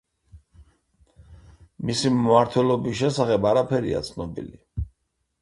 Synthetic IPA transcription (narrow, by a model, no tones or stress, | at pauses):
misimmaɾt̪ʰwɛlɔbis̬ʃɛsaχɛbaɾapʰɛɾḭa̰t̪sʰnɔbḭli